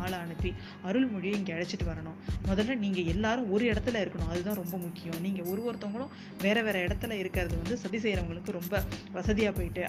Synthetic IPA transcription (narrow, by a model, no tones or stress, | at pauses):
aːlɐɐɳɯp̪ːi | ɐɾɯɭmʊɻɪjɐ̃ɪŋɡɐɐɻɐt͡ʃːɪʈːɯʋɐɾɐɳʊ̃mɔðɐlːɐniːŋɡɐɛlːaːɾɯ̃ɔɾɯɪɽɐt̪ːɪlɐɪɾɯkːɐɳʊ̃ɐðɯt̪ãːɾɔmbɐmʊkːɪjʊ̃mniːŋɡɐɔɾɯʋɔɾɯt̪ːɔŋɡɐɭʊ̃ | ʋeːɾɐʋeːɾɐɪɽɐt̪ːɯlɐɪɾɯkːɐɾɐðɯʋɐnd̪ɯsɐðis̬ɛjɪɾɐʋɐŋɡɐɭɯkːɯɾɔmbɐʋɐsɐðɪjaːpoːjɪʈːɯ